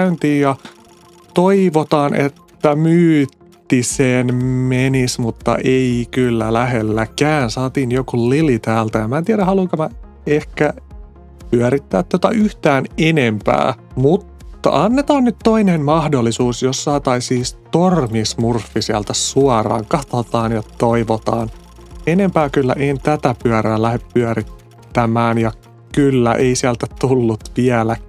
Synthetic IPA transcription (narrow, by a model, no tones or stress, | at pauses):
ynt̪iːjjɑ | t̪oiʋot̪ɑːnʔet̪ːæmyːt̪ːisenmenismut̪ːɑ̰ʔeikylːælæɦelːækæːnsɑːt̪iːnjokullilit̪æːlt̪æɑmæːt̪iæɾæhɑluŋkɑmæ | ehkæ | pyæɾit̪ːæːt̪t̪ːot̪ɑʔyht̪æːnenempæ̰ːmut̪ːɑ̰ʔɑnːet̪ɑːnnyt̪to̞inenmɑhdolːisuːsjosːɑːt̪ɑisiːst̪ormismurfːisiælt̪æsuɑrɑ̰ːŋkɑt̪ɑt̪ɑːnjɑtt̪oiʋot̪ɑːn | ene̞mpæːkylːæ̰ʔent̪æt̪æpyæɾæːlæheppyæɾit̪ː | æmæːnjɑ | kylːæ̰ʔeisiælt̪æt̪ulːut̪ʋiælæ